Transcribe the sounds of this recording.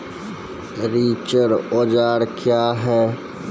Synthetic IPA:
ɾiːt͡ʃəɾoːd͡ʒaːɽkʰjaːɦɛ̃ː

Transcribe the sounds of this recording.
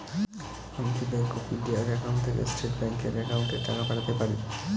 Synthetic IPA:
amikibɛŋkofiɖiaɾɛkaw̃nɖt̪ʰekḛsʈeʈbɛŋkeɾɛkawnʈet̪akapaɾat̪epaɾi

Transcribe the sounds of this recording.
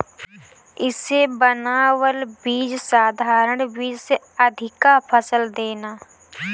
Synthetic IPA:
ɪsebənaːwəlbiːd͡ʒsaːd̪ʱaːɾəɳbiːd͡ʒse | əd̪ʱɪkapʰəsəld̪eːnaː

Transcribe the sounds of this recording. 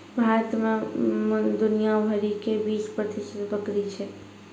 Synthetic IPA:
bʱaɾət̪me | d̪unijabʱəɾikebispɾət̪isət̪bəkɾit͡ʃʰɛ

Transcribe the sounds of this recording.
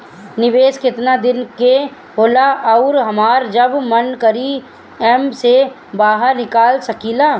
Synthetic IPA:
nɪʋeːskɪt̪nad̪ɪnke | ɦoːlaʔɐʊɾɦɐmaːɾd͡ʒəbmənkɐɾi | ɛmse | baːɦəɾnɪkaːlsɐkiːlaː

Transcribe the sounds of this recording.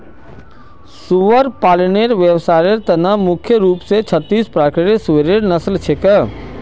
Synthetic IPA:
suʋəɾpaːlɪneɾʋjəʋsaːɾeɾt̪ɐnamʊkʰjəɾuːpset͡ʃʰət̪ːiːspɾaːkɾɪɾiseɾeɾnɐslt͡ʃʰekə

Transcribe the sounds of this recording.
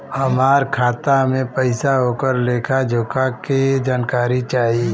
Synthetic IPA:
hɐmaːɾkʰaːt̪amẽpəɪsaɦoːkəɾleːkʰad͡ʒʱʊkaked͡ʒaːnkaːɾit͡ʃaːɦie

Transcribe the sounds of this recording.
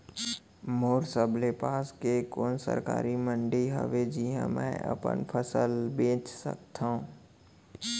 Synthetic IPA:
moːɾsəblepaːskekoːnsə̰ɾka̰ːɾimə̃ɳɖiɦə̰ʋed͡ʒiɦɛ̰̃mɛ̰̃ːə̰pə̰npʰəsəlbẽːt͡ʃsə̰k̚t̪ʰaɦũ

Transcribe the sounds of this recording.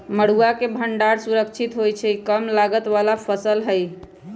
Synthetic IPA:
məɽuakebʱəɳɖaɾsuɾəkt͡ʃʰit̪ɦojt͡ʃʰɛikəmlaɡət̪ʋalapʰəsəlɦəj

